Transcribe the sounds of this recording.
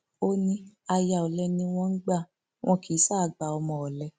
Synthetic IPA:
o˦nĩ˧a˧ja˧˨ɔ˨lɛ˧nĩ˧w̃ɔ̃˧n̩˦ɡ͡ba˦˨ | w̃ʔɔ̃˧ki˨˦sa˦˨ɡ͡ba˨ɔ˧mɔ̃˧ɔ˨lɛ˧˦

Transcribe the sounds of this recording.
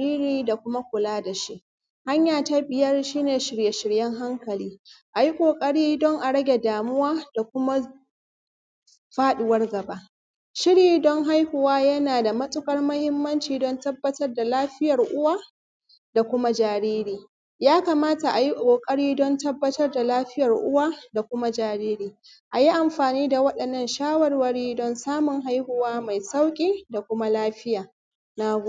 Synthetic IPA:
iː˦ɾiː˦da˨kʷʊ˦ma˦kʷʊ˨laː˦da˨ʃi˦ʔ | ha˦ɲjaː˨ta˦bɪ˨jɐ˦rʃiː˦neː˨ʃɪ˨ɽje˨ʃɪ˨ɽjɛ˦ŋɦa˦ŋkɐ˨liː˦ʔa˨ji˦kʷʼoː˨kʼɐ˦ɽiː˦dɔ˦ŋʔa˨ɽɐ˦ɡʲe˨daː˨mʊ˦waː˦d̥a˨kʷʊ˦ma˦ | ɸaː˦ɗʊ˨wɐ˦rɡɐ˨ba˦ | ʃɪ˦ɽjiː˦dɔ˦ŋɦa˦jhʊ˨waː˦jɐ˦naː˨da˨mɐ˦sʼʊ˦kɐ˦rmɐ˦hɪ˦mːɐ˦nt͡ʃiː˨dɔ˦ntɐ˦bːɐ˨tɐ˦rda˨laː˦ɸɪ˦jɐ˨rʔʊ˦waː˦ | da˨kʷʊ˦ma˦d͡ʒaː˨ɾiː˦ɾiː˨ | jaː˦ka˨maː˦ta˨ʔa˨ji˦ʔkʷʼoː˨kʼɐ˦ɽiː˦dɔ˦ntɐ˦bːɐ˦tɐ˦rda˨laː˦ɸɪ˦jɐ˨rʔʊ˦waː˦da˨kʷʊ˦ma˦d͡ʒaː˨ɾiː˦ɾiː˨ | ʔa˨ji˦ʔa˨mɸaː˨niː˦da˨wɐ˦ɗɐ˨nːɐ˦˨nʃaː˦wɐ˨rwɐ˦ɽiː˦dɔ˦nsaː˦mʊ˨ŋɦa˦jhʊ˨waː˦ma˨jsa˦wkʲʼiː˦da˨kʷʊ˦ma˦laː˦ɸɪ˦jaː˨ | na˦ɡ

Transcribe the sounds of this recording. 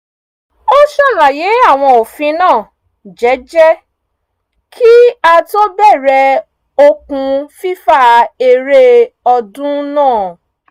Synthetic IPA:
o˦ʃɔ˦˨ɾã˨je˨˦a˦˨w̃ɔ̃˧o˨fĩ˨˧˦nãː˦˨ | d͡ʒɛ˨˦d͡ʒɛ˦ | kʰi˦a˧to˦bɛ˦˨ɾɛ˧ | o˧kũ˧fi˦fa˦e˨ɾe˦ɔ˧dũ˦nãː˦˨

